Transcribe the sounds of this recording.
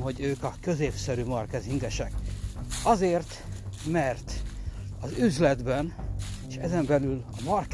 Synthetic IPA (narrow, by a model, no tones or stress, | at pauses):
ɦo̞ɟøːkɒkø̞zeːpsɛɾymɒrkɛziŋɡɛʃɛk | ɒzeːrt̪mɛrt̪ɒzyzlɛd̪bɛneʃɛzɛmbɛlylɒmɒrk